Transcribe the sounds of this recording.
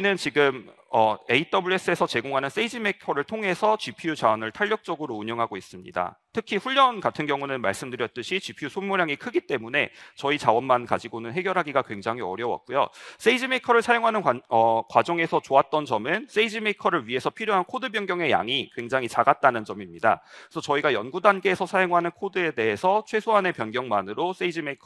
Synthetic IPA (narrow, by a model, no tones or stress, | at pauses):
inɯnt͡ɕiɡɯm | ʌe̞it͈ʌbuɭes͈ɯe̞sʰʌt͡ɕe̞ɡoŋɦanɯns͈eid͡ʑime̞kʰʌɾɯɭtʰoŋɦe̞sʰʌt͡ɕipʰiut͡ɕawʌnɯɭtʰaʎːjʌk̚t͡ɕ͈ʌɡɯɾoːɲʌŋɦaɡois͈ɯmɲḭda̰tʰɯkʰiɸuʎːjʌnkatʰɯnɡjʌŋunɯnmaɭs͈ɯmdɯɾjʌt̚t͈ɯɕʰit͡ɕipʰijusʰomoɾjaŋikʰɯɡit͈e̞mune̞t͡ɕʌit͡ɕawʌnmankad͡ʑiɡonɯnɦe̞ɡjʌɾɦaɡiɡakwe̞ŋd͡ʑaŋɦiʌɾjʌwa̰k̚k͈ujo̰s͈eid͡ʑimekʰʌɾɯɭsʰajoŋɦanɯnʌkwad͡ʑʌŋe̞sʰʌt͡ɕoat̚t͈ʌnt͡ɕʌmɯns͈eid͡ʑimekʰʌɾɯɭɥie̞sʰʌpʰiɾjoɦankʰodɯbjʌnɡjʌŋe̞ja̰ŋikwe̞ŋd͡ʑaŋit͡ɕaɡat̚t͈anɯnd͡ʑʌmimɲida̰esʰʌt͡ɕʌiɡajʌnɡudanɡe̞ːsʰʌsʰajoŋɦanɯnkʰodɯe̞de̞ɦesʰʌt͡ɕʰwe̞sʰoɦane̞pjʌnɡjʌŋmanɯɾos͈eid͡ʑimekʰ